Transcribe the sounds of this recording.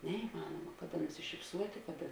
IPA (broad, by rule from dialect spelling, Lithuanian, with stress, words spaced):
nʲɛɪˈmɑːnoːmɐ ˈkɑːˌdɐ nʊsʲɪʃʲɪpˈsuɔtʲeː ˈkɑːˌdɐ